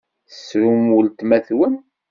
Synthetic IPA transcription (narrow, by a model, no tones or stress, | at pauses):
θsɾumult̪mæθwən